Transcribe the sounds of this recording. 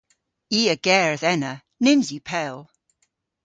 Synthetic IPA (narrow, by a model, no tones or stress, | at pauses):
iːəɡ̥ɛːɹəðɛnə | nɪmzjipʰɛlˠ